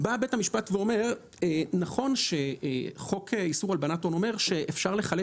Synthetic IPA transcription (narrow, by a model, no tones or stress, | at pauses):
babethamiʃpatveo̞me̞ʁ | enaχo̞nʃe̞χo̞kʰeisuʁalbanato̞no̞me̞ʁʃe̞ʔefʃaʁle̞χale